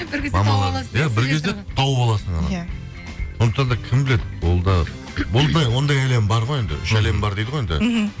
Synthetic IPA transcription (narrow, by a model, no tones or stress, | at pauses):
mɑmɑnjæbɪɾkʲʰe̞zd̪et̪ʰɑwəpɑlˠɑsəɴɑ̰nɑ̰ | so̞nd̪əq̚t̪ɑnd̪ɑkʲʰɪmbɪle̞d̪ɪwolˠd̪ɑ | bʊlˠd̪ɑjwo̞nd̪ɑjæle̞mbɑɾʁoje̞nd̪ɪ̰ʔʏʃæle̞mbɑɾd̪ejd̪əʁojend̪ɪ̰